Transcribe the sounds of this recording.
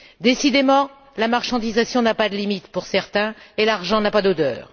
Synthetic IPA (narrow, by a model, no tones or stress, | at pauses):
d̪esid̪emɑ̃ | lamaʁʃɑ̃d̪izasjɔ̃napad̪əlimit̪puʁsɛʁt̪ɛ̃elaʁʒɑ̃napad̪od̪œ̰ːʁ